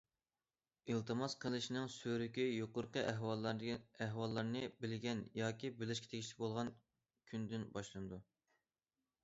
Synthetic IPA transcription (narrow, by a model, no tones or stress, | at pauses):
ilˠt̪ʰɨmɑsqʰəlˠɨʃinɨŋsøɾykʲijoqʊɾqəɦ | æɦwɑlˠːɑɾnɨbɪlɡʲɛnjɑːkʲʰibɪlɪʃ̬kʲɛ̥t̪ʰekʲiʃlɪ̥kʲbolˠʁɑn | kʲʰynd̪ɪnbɑʃlˠɨnɨd̪u